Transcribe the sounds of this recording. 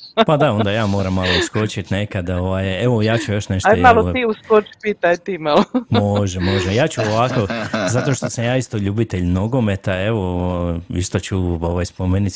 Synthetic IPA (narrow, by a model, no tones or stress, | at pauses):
pad̪ao̞nd̪ajaːmo̞ːɾamːalˠousko̞t͡ʃit̪nekad̪oʋajeʋojaːt͡ʃujo̞ʃneʃt̪malˠot̪iuskot͡ʃpiːt̪ajt̪imalˠomoʒemo̞ʒejaːt͡ɕuoʋako̞zat̪o̞ʃt̪o̞samjaːist̪oʎuːbit̪eʎmno̞ɡo̞me̞t̪ae̞ʋooḭst̪ot͡ʃuoʋajspomenit̪